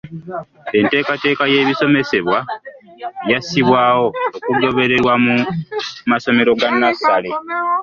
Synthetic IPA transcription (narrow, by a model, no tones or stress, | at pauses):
e̞nte̞ːkate̞ːkaje̞ːβiso̞me̞se̞βwa | jasiβwaːwo̞ːkuɡo̞βe̞ɾe̞ɾwamu | maso̞me̞ɾo̞ɡanːasale̞